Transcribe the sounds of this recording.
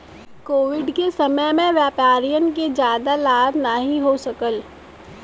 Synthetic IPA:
koːʋɪɖkesɐməjmẽʋjaːpaːɾijənk̬ed͡ʒjaːd̪alaːd̪naɦĩɦosɐkəl

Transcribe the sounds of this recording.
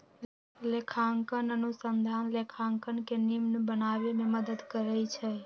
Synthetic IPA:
lekʰaŋkənənusənd̪ʱanlekʰaŋkənkenimnbənaβememəd̪əd̪kəɾɛjt͡ʃʰɛ

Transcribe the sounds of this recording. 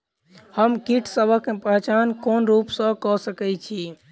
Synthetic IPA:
həmkiʈʰsəbʱəkmepəɦt͡ʃankonɾupsə̃kɔsəkɛt͡ʃʰi

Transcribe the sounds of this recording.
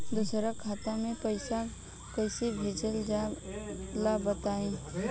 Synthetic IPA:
d̪ʊsɾakʰaːt̪ãmẽpəɪsa | kəɪsibʱeːd͡ʒəld͡ʒa | labət̪aːẽː

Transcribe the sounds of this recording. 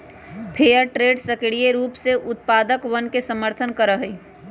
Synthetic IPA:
pʰeːjəɾʈɾeːɖsəkɽieɾuːpseʔʊt̪̚paːd̪əkʋənkesəməɾt̪ʰənkəɾəɦəi

